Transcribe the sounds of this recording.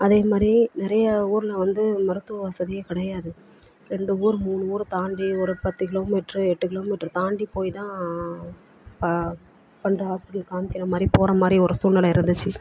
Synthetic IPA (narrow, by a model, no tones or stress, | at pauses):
ɐðeːmaːd̪ɾinɪɾɐjɐuːɾɯlɐʋɐnd̪ɯmɐɾɯt̪ːɐʋɐsɐðɪjɐkɪɽɐjaːðɯ | ɾɛɳɖɯuːɾɯmuːnɯuːɾɯt̪aːɳɖiɔɾɯpɐt̪ːɯkɪloːmiːʈɾɯɛʈːɯkɪloːmiːʈːɾɯt̪aːɳɖipoːjt̪ãː | pɐ | pɐɳd̪ɐaːsðɪlkaːmɪkːɪɾɐmaːd̪ɾipoːɾɐmaːd̪ɾiɔɾɯsuːnːɐlɐɪɾɯnd̪ɯt͡ʃːɯ